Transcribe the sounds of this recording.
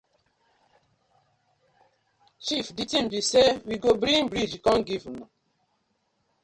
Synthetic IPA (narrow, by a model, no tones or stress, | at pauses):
t͡ʃifditĩmbisewiɡobɾĩŋbɾid͡ʒkɔ̃nɡivnɔ